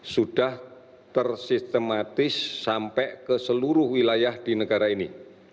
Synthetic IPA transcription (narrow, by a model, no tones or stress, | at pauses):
sud̥ah | t̪ərsist̪əmat̪ɪsːampɛʔkəsəluɾʊhwilajahd̥inəɡaɾaini